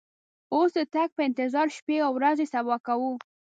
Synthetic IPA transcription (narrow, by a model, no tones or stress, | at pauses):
osd̪ət̪aɡ̚pəɪnt̪ɪzɑɾʃpeawɾazesabɑkawu